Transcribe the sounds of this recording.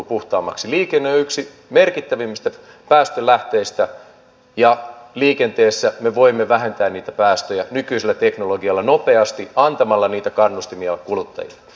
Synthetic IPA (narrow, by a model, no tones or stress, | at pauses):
puht̪ɑːmːɑ̰ksiliːkenːeoyksi | merkit̪ːæʋimːist̪æ | pæːst̪ølæht̪eːst̪æ | jɑliːkent̪eːsːæmeʋoimːeʋæɦent̪æːnniːt̪æpæːst̪øjænykyiselːæt̪eknoloɡiɑlːɑnopeɑst̪iɑnt̪ɑmɑlːɑniːt̪ækɑnːust̪imiɑkulut̪ːɑ̰jḭlːɑ̥